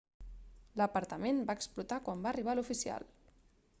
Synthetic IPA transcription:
ləpəɾt̪əmenbaːksplut̪akwambaːriβ̞alufisia̰l

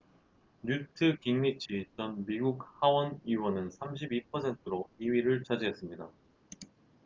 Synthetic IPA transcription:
ɲutʰɯkiŋɲit͡ɕʰit͡ɕʌnmiɡuk̚hawʌniwʌnɯnsʰamɕ̬ʰibipʰʌsʰe̞ntʰɯɾoiɥiɾɯɭt͡ɕʰad͡ʑiɦes͈ɯmɲida

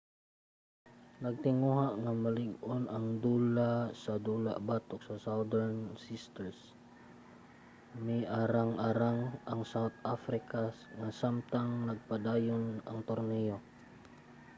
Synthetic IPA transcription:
nɐɡ̚t̪ɪŋuɦaʔŋamɐlɪɡonɐŋd̪uːlasɐd̪ula̰ʔbaːt̪oksɐsawd̪ɛɹnsist̪ɛɹs | mɪʔaɾaŋʔaɾaŋɐŋsawt̪ʔafɾɪkaŋasamt̪aŋnɐɡ̚pad̪aːjonɐŋt̪oɾnɛjo

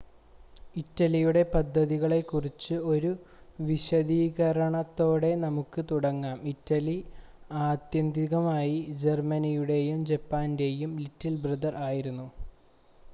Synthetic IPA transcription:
itːɐlijuɽe̞pɐd̪ʱːɐðiɣɐɭe̞kːurit͡ɕːɨo̞ɾu | ʋiɕɐðiːɣɐɾɐɳɐt̪ːo̞ːɽe̞nɐmukːɨt̪uɽɐŋːaːmitːɐliaːd̪jɐnd̪ʱiɣɐmaːjid͡ʑe̞rmɐnijuɽe̞jumd͡ʑepːaːnde̞jumlitːilbrɐðɐraːjiɾunːu

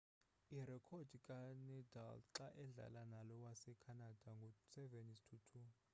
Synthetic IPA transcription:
irɛkʰɔd̥ʱikʼanɛda̰lǁaʔɛɮa̰lanalɔwasɛkʰanad̥ʱaŋɡʱɔsɛvɛnistʰutʰu

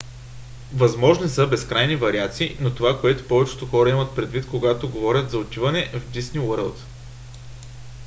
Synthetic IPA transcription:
vɐzmɔʒnisəbɛskɾajnivɐɾiat̪siːnot̪ovakoɛt̪o̥pɔvɛt͡ʃɛ̥t̪oxɔɾɐimət̪̚pɾɛd̪vit̪koɡat̪oɡovɔɾʲət̪zɐot̪ʲivɐnɛʔvd̪isnʲiwəɾəlˠt̪

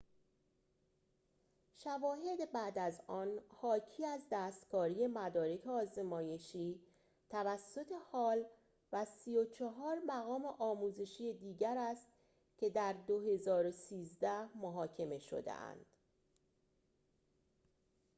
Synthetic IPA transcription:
ʃævɒːɦe̞d̪ebæd̪æzɒːnhɒːcʰiːæzd̪æːst̪kʰɒːɾiːje̞mæd̪ɒːɾe̞kʰeɒːze̞mɒːje̞ʃiː | t̪ʰævæsːo̞t̪ʰe̞hɒːl | væsijot͡ʃʰɒɦɒːɾmæɣɒːmeʔɒːmuːze̞ʃiːjed̪iːɟæɾæst̪ | cʰe̞d̪æɾd̪o̞he̞zɒːɾosiːzd̪æhmoɦɒːcʰe̞me̞ʃo̰d̪ḛʔæ̰nd̪̥

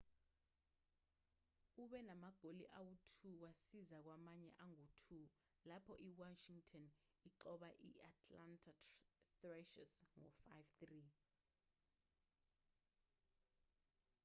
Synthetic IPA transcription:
uɓɛnamaɡ̥ʱolḭʔawutʰuk̬wasizak̬wamaɲɛ̰ʔaŋotʰu | lapʰɔʔiwaʃiŋtʰɔn | iǃɔɓaʔḭatʰʼlantʰʼatrɛʃɛ̰sŋɔfajvt̪ri

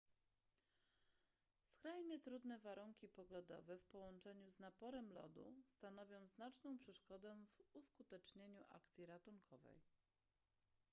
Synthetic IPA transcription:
skɾajɲɛt̪ɾud̪nɛvaɾuŋkʲipɔɡɔd̪ɔ̰vɛfpɔwɔnt͡ʂɛɲuznapɔɾɛmlɔ̰d̪ṵst̪anɔvʲjɔ̃w̃znat͡ʂnɔ̃w̃pʂɛʂkɔd̪ɛ̃vuskut̪ɛt͡ʂɲeɲuʔa̰kt̪sʲiɾat̪uŋkʰɔvɛ̰j

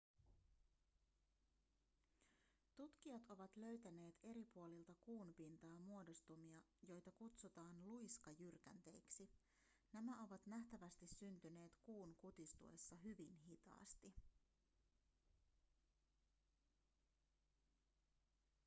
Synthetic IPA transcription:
t̪ut̪k̟iɑt̪o̞ʋɑt̪lø̞ɥt̪æne̞ːt̪e̞ɾipuo̞lilt̪ɑkuːnpint̪ɑːmuo̞do̞st̪umiɑ | jo̞jt̪ɑkut̪sut̪ɑːnlujskɑjyrkæ̰nt̪e̞̰jksi | næmæo̞ʋɑt̪næht̪æʋæst̪isːynt̪yne̞ːt̪kuːnkut̪ist̪ṵe̞̰sːɑɦyʋinɦit̪ɑ̰ːst̪i

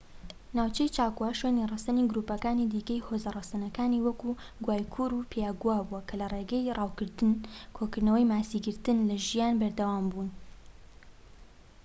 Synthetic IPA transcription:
naːwt͡ʃɛjt͡ʃaːkuwaʃweːnirɑsɐniɡɾuːpɐkaːnid̪iːkɐjhoːzɐrˤɑsɐnɐkaːniwɐku | ɡwaːjkʰuɾupʰejaːɡuwaːbuwɐkʰɐlɐreːɡɐjrʔɑːwkɨɾt̪ɨnkʰoːkɨɾnɐwɛjmaːsiɡɨɾt̪ɨnlɐʒijaːnbɐɾd̪ɐwaːmbuːn

